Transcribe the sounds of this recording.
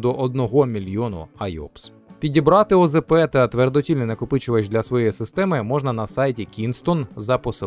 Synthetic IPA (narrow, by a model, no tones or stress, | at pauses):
d̪ɔʔɔd̪̚nɔɦɔmʲilʲjɔnʊ̰ɐjɔ̰ps | pʲidʲibɾɑt̪ɪɔzepɛt̪ɐt̪ʋerd̪ɔtʲilʲnɛnɐkʊpɪt͡ʃɪʋɐt͡ʃʲd̪lʲɐsʋɔjejisɪst̪ɛmɪmɔʒnɐnɐsɑjtʲikʲinst̪ɔnzɐpɔsɪ